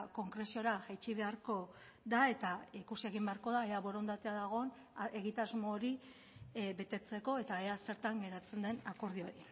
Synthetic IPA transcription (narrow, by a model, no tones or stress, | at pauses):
ko̞ŋkɾe̞sio̞ɾaʝajt͡ʃiβ̞e̞aɾko̞ | d̪ae̞t̪aikusie̞ɣ̞imbe̞aɾko̞ðaeaβo̞ɾo̞nd̪at̪e̞aðaɣ̞o̞n | e̞ɣ̞it̪azmo̞ːɾi | be̞t̪e̞t͡se̞ko̞e̞t̪aease̞ɾt̪aŋɡe̞ɾat͡se̞nd̪e̞nako̞ɾð̞io̞ɾi